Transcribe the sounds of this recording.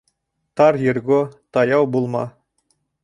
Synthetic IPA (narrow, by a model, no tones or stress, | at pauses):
t̪ɑrjɘ̆rɡot̪ɑjɑwbulˠmɑ̰